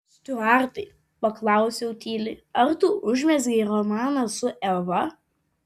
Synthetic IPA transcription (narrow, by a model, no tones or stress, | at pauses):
sʲt̪ʲʊɑːɾt̪ɐɪ | pɐklˠɑˑʊsʲɛʊt̪ʲiːlʲɪɐɾt̪uːʔʊʒʲmʲɛzʲɡʲɛɪɾɔmɑːnɐsʊʔɛʋɐ